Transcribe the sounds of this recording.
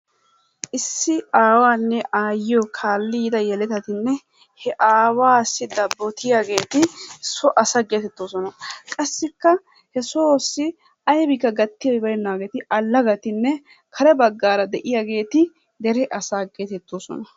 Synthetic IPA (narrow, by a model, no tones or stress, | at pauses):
ʔɪsːɪaːwaːnːɛʔaːjɪjokʰaːlːiːd̪ɐjɛlɛt̪ɐt̪ɪnːɛ | hɛʔaːwaːsːɪd̪ɐbːɔt̪ɪjaɡe̞ːt̪ɪsɔʔɐsɐɡeːt̪ɛt̪ːoːsɔnɐkʼɐsːɪkːɐ | hɛsoosːɪ | ʔɐjbɪkːɐɡɐt̪ːɪjobɐɾɛnːaːɡeːt̪ɪʔɐlːɐɡɐt̪ɪnːɛ | kʰɐɾɛbɐɡːaːɾɐd̪ɛʔɪjaɡe̞ːt̪ɪ | d̪ɛɾɛʔɐsaːɡeːt̪ɛt̪ːoːsɔ̰nɐ